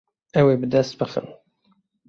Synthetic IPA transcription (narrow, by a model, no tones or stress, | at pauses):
ɛweːbɨd̪ɛst̪̚bɨxə̰n